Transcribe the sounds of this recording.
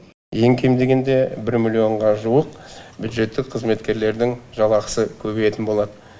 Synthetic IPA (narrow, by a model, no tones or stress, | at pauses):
je̞ŋkʲʰejmd̪e̞ɡʲe̞nd̪e̞bɪɾmʲilʲːio̞ɴʁɑʒuwəq̚bʲjud̪ʒe̞t̪ːɪk̚qʰəzme̞t̪kʲe̞ɾle̞ɾd̪ɪŋʒɑlˠɑqə̥səkʲʰɵbejet̪ɪnbo̞lˠɑd̪ə